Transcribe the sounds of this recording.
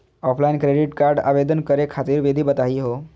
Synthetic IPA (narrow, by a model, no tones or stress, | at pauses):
ɔpʰlainkɾeɖiʈkaɾɖa̰ʋed̪ənkəɾekʰat̪iːɾʋed̪ʱibət̪aɦiɦo